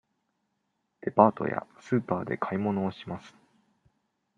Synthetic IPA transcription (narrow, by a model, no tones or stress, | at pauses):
d̪̥e̞paːt̪o̞̰ja̰sɨːpaːd̪e̞̰kʰaimo̞no̞ːɕimasɨ̥